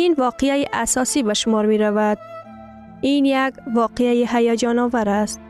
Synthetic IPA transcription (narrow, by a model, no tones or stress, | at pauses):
invɒqejajiʔasɒsibaʃʊmɒɾmeɾavad̪ | injaɡvɒːqejajiɦajɒd͡ʒɒnɒːvaɾast̪